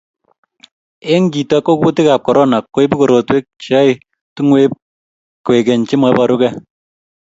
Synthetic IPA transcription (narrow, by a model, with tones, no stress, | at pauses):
e˦ŋɡi˨tɔ˦kːo˦ku˦ti˦ka˨p̚kɔ˨ɾɔ˦na˨kːo˦jpi˦ko˨ɾo˨twe˦k̚t͡ʃa˦i | tu˦ŋwe˦p̚ | kwe˨ke˨nt͡ʃi˦ma˧pa˦ɾu˦kɛ˦